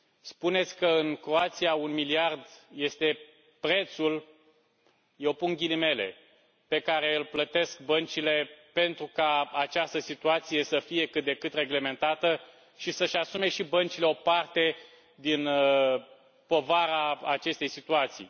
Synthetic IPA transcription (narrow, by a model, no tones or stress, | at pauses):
spune̞t̪sʲkəɨŋkɾo̞at̪sijaunmiliard̪je̞st̪e̞ | pɾe̞t̪sul | je̞wpuŋɡʲilime̞le̞̰ | pe̞kaɾe̞ɨlplət̪e̞sk̚bənt͡ʃile̞pe̞nt̪ɾukaat͡ʃast̪əsit̪uat̪sije̞səfije̞kɨt̪̚d̪e̞kɨt̪re̞ɡle̞me̞nt̪at̪ə | ʃisəʃasume̞ʃibənt͡ʃileo̞part̪e̞ | d̪in | po̞vaɾaat͡ʃe̞st̪e̞jsit̪uat̪sḭj